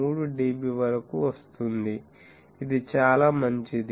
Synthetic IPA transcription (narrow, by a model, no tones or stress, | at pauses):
uːɽuɖiːbiʋɐɾɐkuʋɐst̪und̪i | id̪it͡ʃaːlaːmɐɲt͡ʃid̪